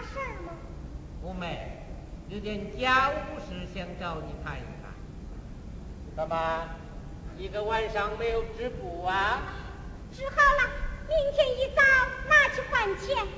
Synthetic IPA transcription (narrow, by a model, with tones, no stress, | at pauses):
ʂə˥˧˩mɐ˧˩ | u˧me˨˩ | ji˧˩t̪jɛ˧˩nt͡ɕja˥u˥ʂɻ̩˧˥ɕjɛ˧˥ŋʈ͡ʂɑ˥˩ʊni˨˩pʰa˥˧˩nḭ˨˩kʰa̰˥˩˧ | ə˧ma˧ | i˧˥ɡə˧wa˥˧nʂɑ˥ŋme˧˥ɪjo˨˩ʊʈ͡ʂɻ̩˥pu˨˩a˧ | ʈ͡ʂɻ̩˧˥xɑ˥˩ʊlɐ˧mi˥˩ŋt͡ɕʰjɛ˧˥ni˧˥t͡sɑ˥˩ʊna˥˧t͡ɕʰy˥˧xwa˥˧nt͡ɕʰɛ˥˩n